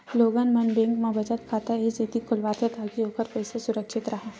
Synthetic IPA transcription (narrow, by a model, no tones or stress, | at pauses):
loːɡaːnmɐnbẽːŋkmãbɐt͡ʃət̪kʰaːt̪aed͡ʒeːt̪ikʰʊlʋaːt̪ʰet̪ʰaːkioːkəɾpɐɪsesʊɾəkʃɪt̪ɾɐɦaː